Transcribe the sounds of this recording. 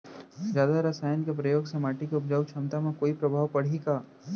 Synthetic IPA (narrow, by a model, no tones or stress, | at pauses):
zjaːd̪aɾɐsaːjənkepɾɐjoːɡsɐmaːʈikeʊpd͡ʒawt͡ʃʰɐmt̪amẽkoːipɾɐbʱaːʋpɐɽ̤iɡaː